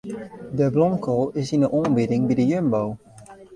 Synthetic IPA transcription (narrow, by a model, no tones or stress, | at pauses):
dəblɔmkʰolɪsɪ̃nəʔɔmbɪdɪ̃ŋbidəjønbow